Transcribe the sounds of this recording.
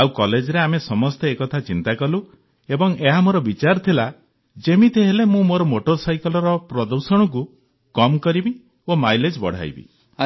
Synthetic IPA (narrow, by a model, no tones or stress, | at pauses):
awkɔled͡ʒɔɾeamesɔmɔst̪eːkɔt̪ʰat͡ʃint̪akɔlu | ebɔŋeɦamoɾɔbit͡ʃaɾt̪ʰila | d͡ʒemit̪ʰeɦelemũmoɾɔmoʈoɾsajkɔlɔɾɔpɾɔd̪ɔɾsɔɽ̃ɔk̬u | kɔmkɔɾibi | omajled͡ʒbɔ̰ɽ̤a̰jbḭ